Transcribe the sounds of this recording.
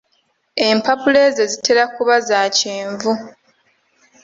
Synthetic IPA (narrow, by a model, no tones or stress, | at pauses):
e̞mpapule̞zezite̞ɾakuβazaːciːɱvu